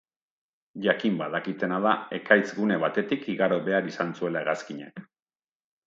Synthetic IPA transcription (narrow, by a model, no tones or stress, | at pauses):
ʝakimbaðakit̪e̞nað̞ae̞kajt͡sɣune̞βat̪e̞t̪ikiɣaɾo̞βe̞aɾisant͡sue̞laeɣaskiɲḛk